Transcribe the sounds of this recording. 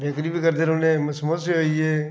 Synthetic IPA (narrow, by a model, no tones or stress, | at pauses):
beːkɾiːbʱikəɾd̪eːɾʊnẽːməsmoːt̪seɦoːieː